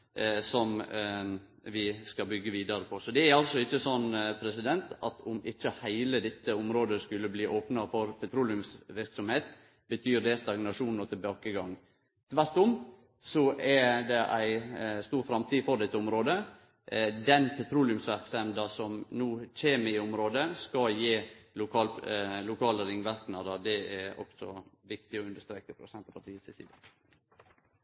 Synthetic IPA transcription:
sɔm | ʋɪskɑbʏɡːəʋiːd̪ɑɾəpʰɔsɔd̪ɛæɾɑlsɔɪçːəsɔnːpʰɾɛsɪd̪ɛnt̪ɑ̰t̪ʊmɪçːəhæɪləd̪ɛt̪ːəʊmɾoːd̪əskʉlːəbliːʔoːpnɑfɔɾpʰɛt̪ʰɾuːlɪʉmsʋɪɾksɔmheːt̪ | bət̪ʰyːɾd̪ɛst̪ɑɡnɑʂuːnn̩ɔt̪ʰɪlbɑːkəɡɑŋ | t̪ʰʋæɾt̪ʊm | sɔʔæd̪ɛʔæɪst̪uːɾfɾɑmt̪ʰiːfɔɾɖ̪ɛt̪ːəʊmɾoːd̪ə | d̪ɛnpʰɛt̪ʰɾuːlɪʉmsʋæɾksɛnd̪əsɔmnuːc͡çeːməɪɔmɾoːd̪əskɑjeːlʊkʰɑːllʊkʰɑːləɾɪŋʋæɾknɑːd̪əɾd̪ɛæɔ̰ksɔ̰ʋɪkt̪ɪɔʉnd̪əst̪ɾeːkəpʰɾʊsɛnt̪ɑpʰɑʈ̪ʰiːəsɪsḭːd̪ə

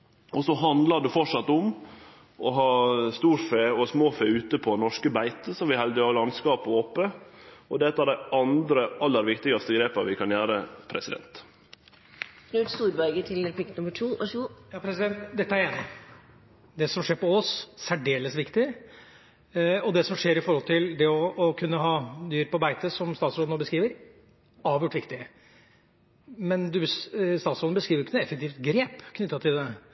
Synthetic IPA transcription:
ɔsɔɦɑnd̪ləɖʉfɔʂɑt̪ːʊm | ɔɦɑːst̪uːɾfeːɔsmoːfeːʉːt̪əpʰɔnɔʂkəbæɪt̪əsɔmʋɪhɛld̪əɑlɑnskɑːpɔoːpəɔd̪ɛt̪ːəæɖæɪʔɑnd̪ɾəʔɑlːəɾʋɪkt̪ɪɡɑst̪əɡɾeːpɑʋɪkʰɑnjæːɾəpʰɾɛsɪd̪ɛ̰nt̪ | snʉːt̪st̪uːɾbæɾɡət̪ʰɪlɛpʰɪk̪nʊmːəʈʰuːʔʃuːjɑːpʰɾɛsɪd̪ɛnt̪d̪ɛt̪ːəæɾeːnɪ | d̪ɛsɔmʂeːɾpɔɔssæɖeːləsʋɪkt̪ɪ | ɔd̪ɛsɔmʂeːɾɪfɔɾhɔlt̪ʰɪld̪ɛɔːkʰʉnːəɦɑːd̪yːɾpɔbæɪt̪əsɔmst̪ɑːt̪sɾoːnoːbəskɾiːʋəɾ | ɑːʋjʉːʈːʋɪkt̪ɪ | mɛnd̪ʉst̪ɑːt̪soːd̪nəbəskɾiːʋɾɪkːənɛfɛk̚t̪ʰiːft̪ɡɾeːpkʰnʏt̪ːɑt̪ʰɪld̪ɛ

